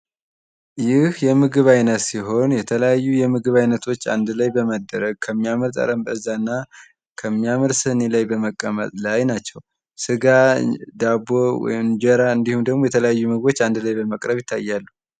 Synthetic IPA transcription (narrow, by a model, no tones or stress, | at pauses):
jɪhjɛmɨɡɨβajnət̪siɦo̞njɛt̪ʰələjajːujɛmɨɡɨβajnət̪ʰo̞t͡ʃːa̰nd̪lajbəməd̪ːəɾəɡ̚kʰəmːiaməɾt̪ʼə̰ɾəmbəɨzːanːa | kʰəmːiamɨɾsɨnelajbəməkʼːəmə̰t̪ʼlajnat͡ʃːɛw | sɨɡad̪abowɔ̰jɪmd͡ʒəɾaɨnd̪ihumd̪əɡmo̞jɛt̪ʰələjajːumɨɡɨβo̞t͡ʃːand̪lajbəməkʼɾəβjɪt̪ʰːa̰jːalːu